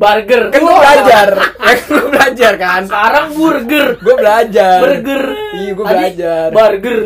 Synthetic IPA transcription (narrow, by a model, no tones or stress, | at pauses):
barɡərkauabəlad͡ʒarjakɡuabəlad͡ʒarkankaɾaŋɡurɡərɡuabəlad͡ʒabərɡəriɡuabbəlad͡ʒarbarɡər